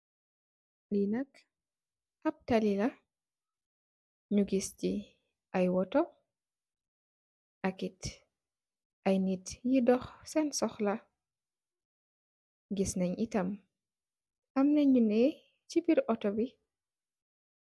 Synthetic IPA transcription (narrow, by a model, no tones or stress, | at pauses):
linɐk | ʔɐp̚talila | ɲuɡisci | ʔajwɔtɔ | ʔakit | ʔajnitjidɔxsɛnsɔxla | ɡisnɐɲʔitɐm | ɐmnɛɲunɛ | t͡ʃibiɾʔɔtɔbi